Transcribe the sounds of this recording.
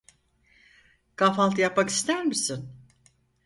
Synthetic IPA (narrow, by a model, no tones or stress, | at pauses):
kʰafalˠt̪ɯjapmaki̥st̪æɾmisin